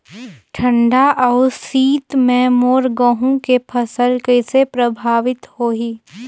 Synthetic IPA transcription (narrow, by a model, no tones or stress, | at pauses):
ʈʰə̃ɳɖaʔɐʊsiːt̪mɛ̃moːɾɡəɦũkepʰɐsəlkesepɾɐbʱaːʋɪt̪hoːɦiː